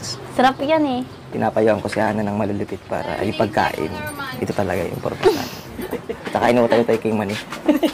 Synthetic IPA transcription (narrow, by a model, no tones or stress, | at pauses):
sɐɾapjanɛ | pɪnʔaːpɐjoʔɐŋkosɪhaːnɐnɐŋmɐlilɪpɪt̪̚pa̰ːɾɐ̰jʊpɐɡ̚ka̰ːʔɪ̰nɪt̪ot̪ɐlɐɡajʔɪ̰mpoɾmɐsa̰ːn | t͡ʃɐkaʔɪniwat̪ajot̪ajokɪŋmɐnɪ